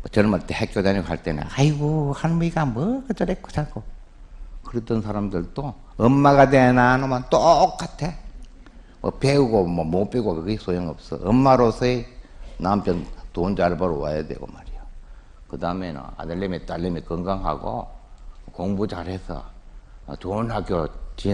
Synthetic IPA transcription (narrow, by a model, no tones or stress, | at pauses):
mʌ̰t͡ɕʌɭmaɭt͈ehekʰjodeɲiɡoɦaɭt͈enɯ̰naiɡohanmɯiɡamʌɡɯt͡ɕaɾek͈ʰːo̥t͡ɕak͈o | kɯɾetɯnsʰaɾamdɯɭt͈o | ʌmːaɡadenanomant͈ok͈ːatʰe | mʌ̰peuɡomʌmop͈eɡokɯɡesojʌŋʌ̰p̚s͈ʌ̰ʌmːaɾosʰʌenampjʌntond͡ʑaɭbaɾowa̰jadwḛɡo̰maɾijo | kɯdamenɯ̰na̰daɭːemet͈alːemikɯŋɡaŋɦa̰ɡo̰ | koŋbut͡ɕaɾɦesʰʌ̰ | t͡ɕonɦaɡjot͡ɕi